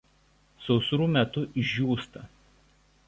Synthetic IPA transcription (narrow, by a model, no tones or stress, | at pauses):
sɔʊsʊɾuːmʲɛt̪ʊʔɪʒʒʲuːst̪ɐ